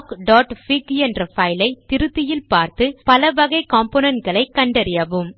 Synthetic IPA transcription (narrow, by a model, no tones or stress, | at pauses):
kɖaːʈfikɛnrɐfɐɪlɐɪt̪ɪɾɯt̪ːɪjɪlpaːɾt̪ɯpɐlɐʋɐɣɐɪkaːmponɐnʈɡɐɭɐɪkːɐɳɖɐɾɪjɐʋɯm